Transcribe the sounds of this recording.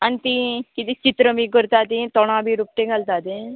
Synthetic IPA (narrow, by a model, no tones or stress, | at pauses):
ənt̪iːkɪt̪it͡ʃɪt̪ɾəmiːkʊɾt̪aːd̪iːt̪ɔːɽ̃ãːbiːɾʊp̚ʈeːɡəlt̪aːd̪ẽː